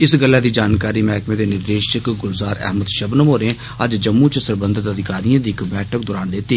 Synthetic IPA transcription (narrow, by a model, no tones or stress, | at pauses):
ɪsɡəlːaːd̪iːd͡ʒaːnkaːɾiːmɛːkmẽːd̪eːnɪɾd̪eːʃəkɡʊlzaːɾɛ̰ɦməd̪ʃəbnəmɦoːɾẽː | əd͡ʒd͡ʒəmːũːt͡ʃsəɾbə̃nd̪ʱət̪əd̪ʱɪkaːɾijãːd̪iːɪkbɛːʈʰək̚d̪ɔːɾaːnd̪eːt̪iː